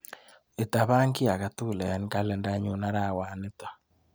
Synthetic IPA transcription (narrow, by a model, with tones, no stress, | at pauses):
e˨ta˨βa˦ŋki˦a˨ɣa˨tu˦˨lɛ˨ja˨ni˦ka˦lɛ˨nda˦ɲu˨˦na˦ɾa˦˨wa˨ne˦ta˨